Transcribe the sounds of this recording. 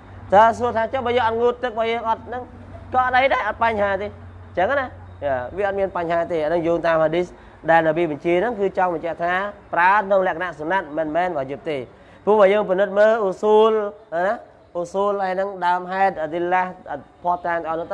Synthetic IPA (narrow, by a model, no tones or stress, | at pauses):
t̪aːsuət̪ʰaːt͡ɕohɓaːjəːŋʔɑt̪̚ŋuːt̪ːɨk̚ɓaːjəːŋʔɑt̪̚nɨŋ | kɑʔaɗəjɗaɛʔɑt̪̚paɲhaːt̪eː | ɲt͡ɕəŋːana | aːʋiəʔɑt̪̚miənpaɲɦaːt̪eːʔanɨŋjuːŋt̪aːmhaːɗis | ɗaɛlnaɓiəɓɑɲt͡ɕiənɨŋkɨːt͡ɕɑŋɓɑɲt͡ɕɛəʔt̪ʰaːpraət̪ʰnoŋlɛ̆əʔkʰanaʔsunat̪̚mənmɛːnɓaːjuəp̚t̪eː | puəhɓaːjəːŋp̬inɨt̪̚məːʔusuːlna | ʔusuːlhaɛnɨŋɗaəmɦaɛt̪̚ʔət̪ilahpʰoəht̪aːŋt̪əʔɑːlnɨŋt̪